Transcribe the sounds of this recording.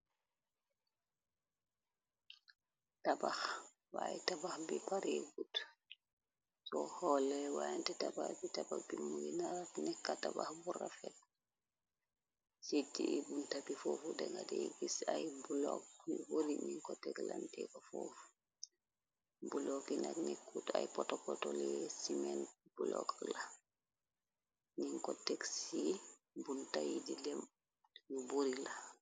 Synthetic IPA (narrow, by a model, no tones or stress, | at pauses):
tabax | wajɛtabaxbipaɾeɡut | sɔhɔlɛwajintɛtabahbitabaxbimujinaɾtnɛkːatabaxbuɾafɛt̚ | sidiʔibuntabifɔːfudɛŋɡadɛɡisajbulɔkboɾiɲiŋkɔtːɛklantɛkafɔfu̥ | bulɔkinaknɛkːutajpɔtɔkɔtolɛsimɛnb̥ulɔ̰kla | ɲiŋkɔtɛksi | buntajidilɛm | nuboɾila